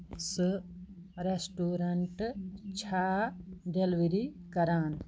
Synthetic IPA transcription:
sɨ | ɾesʈuːɾɐɳʈt͡ʃʰaːɖelʋiɾikɐɾaːn

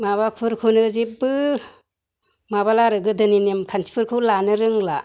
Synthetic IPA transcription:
maβapʰɯɾkʰɯnɯzipbɯ | mabalaɾɯɡɯdɯninemkʰansi̥pʰɯɾkʰɯlanɯɾɯŋla

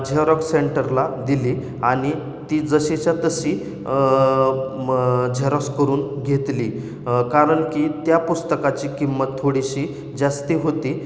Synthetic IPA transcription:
d͡ʑʱeɾəkseɳʈəɾlad̪iliː | aɽ̃i | t̪iːd͡zəɕet͡ɕjat̪əɕiː | d͡ʑʱeɾəskəɾuːnɡʱet̪liː | kaɾəɳkiːt̪japust̪əkat͡ɕiːkimːət̪ʰːoɽiɕiː | d͡zast̪iːɦot̪i

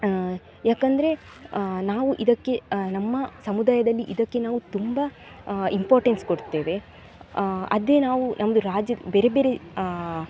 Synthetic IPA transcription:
jaːkɐnd̪ɐɾe̞ | naːʋuʔid̪ɐkːe̞nɐmːɐsɐmud̪aːjɐd̪ɐlːiʔid̪ɐkːe̞naːʋut̪umbɐ | impaːɾʈenskoɽt̪ːe̞ːʋe̞ | ɐ̰d̪e̞naːʋunʔɐmɐd̪uɾaːd͡ʒjɐbeːɾebeːɾe

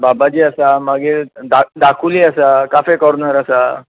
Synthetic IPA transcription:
babad͡ʑiːəsamaɡed̪ad̪akʰuliəsakafekəɾnəɾəsa

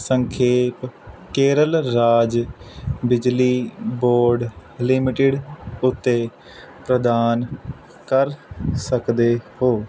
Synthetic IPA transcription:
səŋkʰeːpkeːɾəlɾaːd͡ʒ | bɪd͡ʒliːboːɾɖlɪmɪʈɪɖʊt̪ːeː | pɾəd̪aːn | kəɾsəkd̪eːhoː

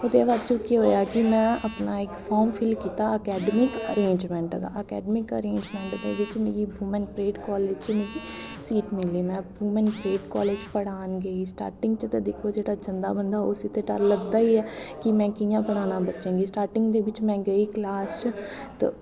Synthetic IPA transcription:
ʊd̪eːʋaːd̪t͡ʃoːkiɦoːjaːkɪmɛ̃ːəpnaːɪkpʰɔːɾmpʰɪlkiːt̪aːəkɛːɖəmɪkəɾẽːɲd͡ʒmɛ̃ːɳʈɡ̪a̰ːəkɛ̰ːɖəmɪkəɾẽːɲd͡ʒmɛ̃ːɳʈd̪ḛːʋɪt͡ʃmḛːɾiːbʱuːmɛ̃ːnpɾeːɖkɔːleːd͡ʒt͡ʃmeːɾiːsiːʈmɪliːmɛ̃ːbʱuːmɛ̃npɾeːʈkɔːleːd͡ʒpəɽaːnɡəiːsʈa̰ːɾʈɪ̃ŋɡt͡ʃət̪əd̪ɪkʰoːd͡ʒeːɽaːt͡ʃənd̪a̰ːbənd̪aːʊsɪt̪eʈə̰ɾləɡd̪aːiːɛːkɪmɛ̃ːkɪjãːpəɽ̃aːnãːbətːʃẽːɡiːsʈaːɾʈɪ̃ŋɡd̪eːʋɪt͡ʃmɛ̃ːɡəiːklaːst͡ʃt̪

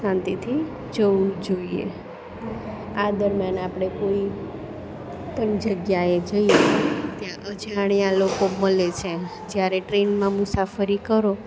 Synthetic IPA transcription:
ʃãnt̪it̪ʰi | d͡ʒəʋũd͡ʒoiḛ | ad̪əɾmjanapɽ̃ekoi | t̪ənd͡ʒəɡjaed͡ʒəiet̪jãʔəd͡ʒaɽ̃ijãlokoməlet͡ʃʰe | d͡ʒjaɾeʈɾenmãmʊsafəɾikəɾo

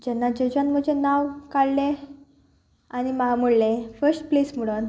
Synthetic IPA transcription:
d͡ʑɛnːad͡ʑəd͡ʑanm̤əd͡ʑʱenaʋkaɽlẽ | animamuɽlefəsʈplesm̤əɽən

